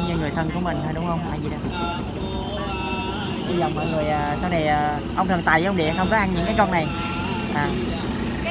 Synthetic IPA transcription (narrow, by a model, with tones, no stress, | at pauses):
ɲə˧˩ŋɨ˨˩əjt̪ʰə˧˩nku˧˩əmï˨˩ŋ̟t̪ʰaː˨˩ɗʊ˨˦wŋ͡mhə˧wŋ͡mhaː˧˩jzi˨˩ɗa˨˩˧ | ɗi˧zə˨˩wmɔ̰˧˨jŋɨ˨˩əjʔaː˨˩saː˧wna˨˩jʔaː˨˩ | ʔə˧ŋ͡mt̪ʰə˨˩t̪a̰˨˩jəː˨˧˦wɗḭ˧˨ə˨xə˧wŋ͡mkɔ˨˦ʔa˧nɲɨ̰˧˥ŋkaː˨˦jkɔ˧nna˨˩j | ʔaː˨˩